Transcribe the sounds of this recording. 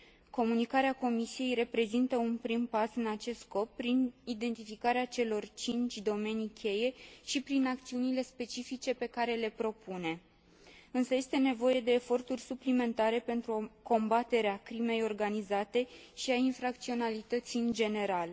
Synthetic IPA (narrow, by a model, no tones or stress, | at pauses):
ko̞munikaɾeako̞misije̞jre̞pɾe̞zint̪əunpɾimpasɨnat͡ʃe̞st̪sko̞pːɾinid̪e̞nt̪ifikaɾeat͡ʃe̞lo̞rt͡ʃint͡ʃʲd̪o̞me̞nikʲʰe̞je̞ʃipɾinak̚t̪siunile̞spe̞t͡ʃifit͡ʃe̞pe̞kaɾe̞le̞pɾo̞pune̞ | ɨnsəje̞st̪e̞ne̞vo̞je̞d̪e̞ːfo̞rt̪urʲsuplime̞nt̪aɾe̞pe̞nt̪ɾuko̞mbat̪e̞ɾeakɾime̞jo̞rɡanizat̪e̞ʃiainfɾak̚t̪sio̞nalit̪ət̪siɨnd͡ʒe̞ne̞ɾal